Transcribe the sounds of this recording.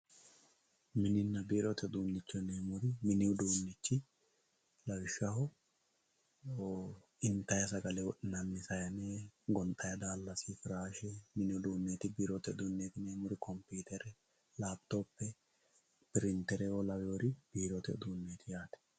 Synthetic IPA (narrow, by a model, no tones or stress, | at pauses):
mɪnɪnːɐbiːɾɔt̪ɛd̪uːnːɪt͡ʃːɔneːmʊɾɪmɪnɪʊd̪uːnːɪt͡ʃːɪ | lɐwɪʃːɐhɔ | ɪnt̪ɐjɐs̬ɐɡɐlɛwɔʔɪnɐnːɪsɐjɐneɡɔnt̪ʼɐjɐd̪aːlːɐsifɪɾaːʃɛmɪnɪʊd̪uːnːeːt̪ɪbiːɾɔt̪ɛd̪uːnːeːt̪ɪneːmʊɾɪkɔmpːiːt̪ɛɾɛ | laːbt̪oːpːɛ | pɪɾɪnt̪ɛɾɛwolɐwɛɔɾɪb̥iːɾɔt̪ɛ̰d̪uːnːeːt̪ʰɪjaːt̪ɛ̥